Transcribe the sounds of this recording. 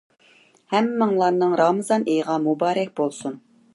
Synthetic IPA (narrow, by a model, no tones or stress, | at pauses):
hɛmːɨŋlˠɑɾnɨŋɾɑmɨzɑnejʁɑmubɑːɾɛk̚ʲbolˠsun